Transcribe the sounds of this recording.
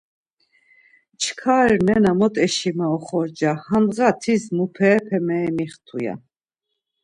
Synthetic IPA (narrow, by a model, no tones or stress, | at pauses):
t͡ʃʰkʰaɾnɛnamɔt̪ʼɛʃimaɔχɔɾd͡ʒahanʁat̪ʰismupʰɛːpʰɛmɛːmiχt̪ʰuja̰